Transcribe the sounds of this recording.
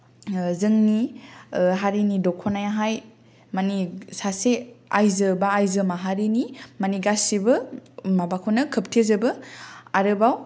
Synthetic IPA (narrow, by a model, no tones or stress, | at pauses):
zɯŋni | ɦaɾinidɔkʰɔnajaɦaj | manisaseajzɯbaːjzɯmaɦaɾinimaniɡasibɯmabakʰonɐkʰɯp̚tʰezɯbɯaɾɯbaw